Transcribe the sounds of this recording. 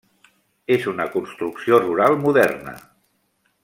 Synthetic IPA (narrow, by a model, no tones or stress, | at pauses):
ezunəkunst̪ɾuksioruɾalˠmuðɛ̰rnə̰